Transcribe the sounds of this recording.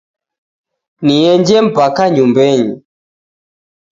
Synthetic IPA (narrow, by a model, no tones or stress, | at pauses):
niɛɲd͡ʒɛm̩pakaɲumbɛɲi